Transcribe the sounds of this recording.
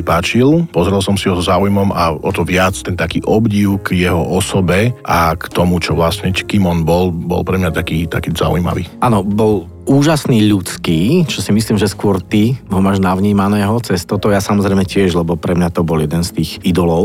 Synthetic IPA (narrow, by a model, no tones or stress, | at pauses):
ipaːt͡ʃilpɔzɾɛlˠsɔmsiɦɔzɔzaːujmɔmaɔt̪ɔʋɪat͡st̪ɛnt̪akiːʔɔbɟiʊɡjɛɦɔʔɔsɔbɛʔakt̪ɔmut͡ʃɔʋlasɲɛckimɔnbɔlbɔ̰lpɾɛmɲat̪akiːt̪a̰kiːza̰ṵjma̰ʋḭːʔaːnɔbɔl | uːʒasniːʎut͡skiːt͡ʃɔsimisliːmʒɛskʊɔɾt̪iɦɔmaːʒnaʊɲiːmanɛːɦɔt͡sɛst̪ɔt̪ɔjasamɔzɾɛɪmɛcɪɛʒlɛbɔpɾɛmɲat̪ɔbɔljɛd̪ɛnst̪iːxid̪ɔlɔʊ